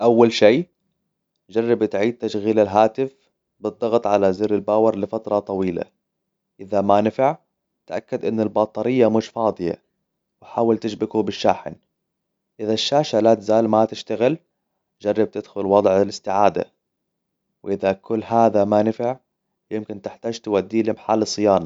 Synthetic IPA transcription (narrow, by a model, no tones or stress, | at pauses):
ʔawːalʃiː | d͡ʒɑrˤːɑbt̪ʕiːd̪̚t̪ːaʃɣiːlɪlɦaːt̪ɪf | bɨd̪ˤːɑɣt̪ˤʕalazɪɾɪlbaːwɑɾˤlɪfat̪ɾˤɑt̪ˤɑwiːla̰ | ʔɪðamanɪfɪʕ | t̪ʔakːad̪ʔɪnːɪlbɑːt̪ˤɑɾɪjːamʊʃfɑːd̪ˤɨja̰ | wɪħaːwalt̪ɪʃbɪɡubɪʃːaːħɪ̰n | ʔɪðaʃːaːʃalat̪zaːlmat̪ɪʃt̪aɣɪl | d͡ʒɑrˤːɑb̚t̪ɪd̪xʊlwɑd̪ˤʕɪlɪst̪ɪʕaːd̪a̰ | wʔɪðakʊlːɦaːðamanɪfɪʕ | jɪmkɪnt̪ɪħt̪aːd͡ʒt̪ɪwad̪ːiːlɪmħalːɨsˤːɨjaːnɑ